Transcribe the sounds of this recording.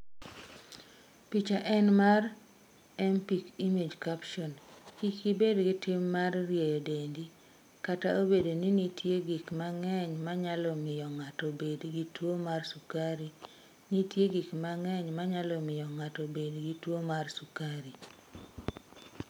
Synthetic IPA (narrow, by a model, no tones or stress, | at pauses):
pit͡ʃaʔɛnmar | ɛmpikimed͡ʒkapʃɔnkikibedɡɪtɪmːarːjejɔdendi | kataobedoninitjeɡikmaŋɛɲmaɲalɔmɪjɔŋatɔbedɡitwomarsukaɾi | nitjeɡikmaŋɛɲmaɲalɔmɪjɔŋatɔbedɡitwomarsukaɾi